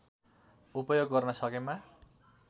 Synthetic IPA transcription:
upʌjoɡ̚ɡʌrnʌsʌkema

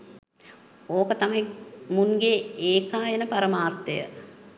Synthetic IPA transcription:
oːkət̪amɐjimuŋɡeːeːkaːjenəpaɾəmaːrt̪ejə̰

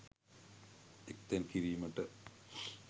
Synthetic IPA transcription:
ek̚t̪enkiɾijumɐʈːɨ

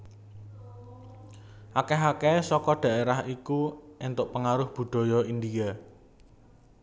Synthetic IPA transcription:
ʔakɛɦakɛsɔkɔɖ̪̥ä̤eɾahikuʔɪnt̪ʊʔpəŋaɾʊhb̥ṳɖ̪̥ɔ̤jɔind̪ija

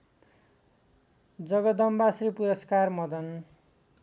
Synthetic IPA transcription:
d͡zʌɡʌd̪ʌmbasripuɾʌskarmʌd̪ʌn

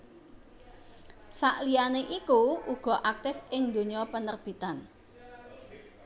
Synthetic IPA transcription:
saʔlianeʔikuuɡ̥ɔ̤ʔak̚t̪ɪfɪŋd̪o̤ɲɔpənərb̥i̤t̪an

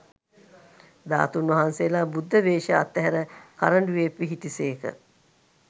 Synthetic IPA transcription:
d̪a̰ːt̪unʋɐɦansejːlaːbud̪ʱːəʋeːʃəa̰t̪ːɛɦæɾəka̰ɾəɳɖuʋepʋiɦit̪iseːkə̰

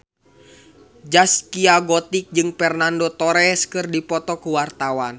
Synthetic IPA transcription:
d͡ʒaskiaɡɔt̪ik̚d͡ʒɨŋpɛrnandɔt̪ɔɾɛskɨrdipɔt̪ɔkuwart̪awan

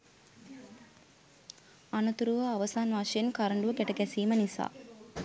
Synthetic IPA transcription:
anɐt̪uɾuʋɐaʋɐsaːnʋaːʃɐjenkaɾəɳɖuʋɐɡɛʈɐɡɛsiːmɐnisa̰ː

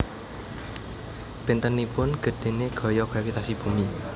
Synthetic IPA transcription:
b̥ɪnt̪ənːipʊnɡ̥ə̤ɖ̥e̤neɡ̥ɔ̤jɔɡ̥ɾafit̪asib̥umi

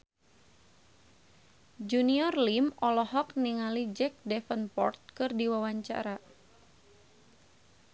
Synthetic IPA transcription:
d͡ʒuniɔrlimɔlɔɦɔkniŋalid͡ʒɛk̚dɛfənpɔ̰rt̪̚kɨrdiwawaɲt͡ʃa̰ɾa

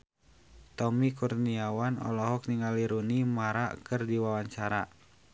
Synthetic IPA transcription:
t̪ɔmikurniawanɔ̰lɔɦɔk̚niŋaliɾunimaɾa̰kɨrdiwawaɲt͡ʃaɾa

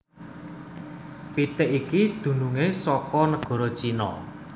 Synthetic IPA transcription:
pit̪ɪʔikid̪̥ṳnuŋesɔkɔnəɡ̥ɔ̤ɾɔt͡ʃinɔ̰

